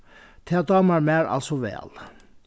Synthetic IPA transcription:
t̪ʰɛd̪ɑːmæɾmæːɾɑ̰lsɔʋɛ̰ːl

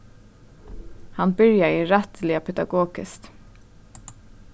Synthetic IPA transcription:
hɑnbʏɹjaiɾɛt̪lɪapʰɛd̪ɑ̰ɡoːɡ̥ɪst̪

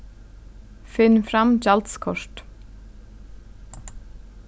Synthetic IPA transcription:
fɪnfɾɑmd͡ʒɑlt̪skʰɔʃʈ

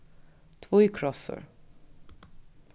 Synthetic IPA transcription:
t̪ʰvoːɪkʰɾɔsə̰ɾ

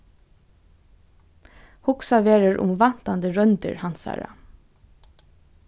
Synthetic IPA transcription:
hʊksaʋeːɾəɹʔʊ̰mʋan̥t̪and̪əɹœnt̪ə̰ɹhansa̰ːɹa̰

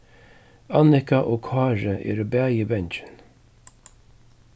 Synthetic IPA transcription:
ɑnɪkaʔoːkʰɑːɹəʔḛːɾbæːjibɛnt͡ʃən

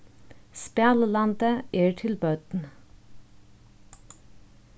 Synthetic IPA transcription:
spjɑːləlɑnd̪əʔeːʈʰɪlbœːt̪n̩

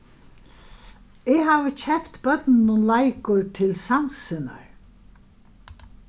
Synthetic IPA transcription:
ɛɦaːʋət͡ɕʰɛpt̪bœt̪nɪnʊnlajkʊɹt̪ʰɪlsansɪna̰ɹ

